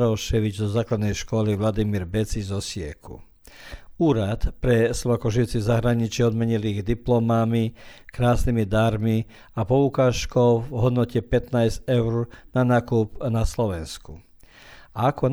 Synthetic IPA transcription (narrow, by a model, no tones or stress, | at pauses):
ɾɔlʃɛʋid͡ʒzɔzaːklad̪nɛjʃkɔliʋlad̪imiːɾbɛt͡sizɔsɪɛ̰kʰṵ | uːɾat̪pɾɛslɔʋaːkɔʊʒiʊt͡sizaɦɾaɲit͡ʃiɔd̪mɛɲiliɣd̪iplɔmamikɾaːsnimid̪aɾmi | apɔukaːʃkɔʊvɦɔd̪nɔcɛpɛt̪nazɛʊɾnanaːkuːbnaslɔʋɛnsku | aakɔ